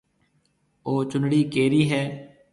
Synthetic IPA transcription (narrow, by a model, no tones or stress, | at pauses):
oːt͡ʃʊnɽiːkeːɾiːɦɛː